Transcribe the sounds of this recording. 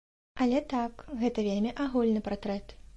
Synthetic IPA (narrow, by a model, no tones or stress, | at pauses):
ʔɐlʲɛt̪akɣɛt̪ɐvʲelʲmʲiʔaɣulʲnɨpart̪ɾɛt̪